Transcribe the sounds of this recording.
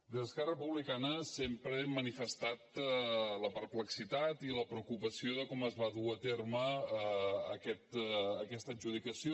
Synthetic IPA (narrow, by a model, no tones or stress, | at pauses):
d̪əskɛrəpuβlikanəsempɾəemːənifəst̪at̪ləpəɾpləksit̪at̪iləpɾəukupəsioðəkɔməzβaðuət̪erməː | kɛt̪ːkɛst̪əʒuðikəsio